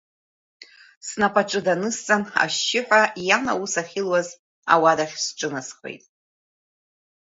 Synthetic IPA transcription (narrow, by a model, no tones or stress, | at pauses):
snapʼaʈ͡ʂʼɨdanɨst͡sʼana̰ʃːɪħʷᶣajana̰usaχʲɪlwaz | a̰wadaχʲsʈ͡ʂʼɨnasχʷḛjtʼ